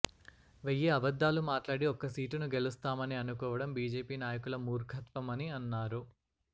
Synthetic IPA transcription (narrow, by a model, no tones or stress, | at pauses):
ʋejːeːɐbɐd̪ːaːlumaːʈlaːɽiɔkːɐsiːʈunuɡe̞lust̪aːmɐniɐnukɔːʋɐɽɐmbiːd͡ʒeːpiːnaːjɐkulɐmuːɾɡʰʱɐt̪pɐmɐniɐnːaːɾu